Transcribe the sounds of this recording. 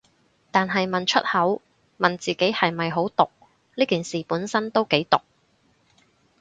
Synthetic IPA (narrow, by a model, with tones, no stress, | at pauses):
t̪aː˨nɦɐ˨jmɐ˨nt͡ʃʰɵ̰˥t̚hɐ˨˥w | mɐ˨nt͡siː˨˩ke˨˥jhɐ˨jmɐ˨jɦo˨˥wt̪ʊ˨k̚ | liː˥kiː˨nsiː˨puː˨˥nsɐ˥nt̪o˥wke˨˥jt̪ʊ˨k̚